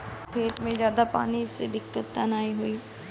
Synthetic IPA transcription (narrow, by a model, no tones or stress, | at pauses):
kʰeːt̪mẽzjaːd̪apa̰ːniɪsed̪ɪkt̪ʊt̪ːanaːiɦʊiː